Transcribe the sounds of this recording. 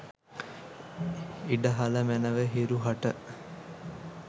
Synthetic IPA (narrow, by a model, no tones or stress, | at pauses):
iɖəɦaləmænəʋəɦiɾuɦɐʈə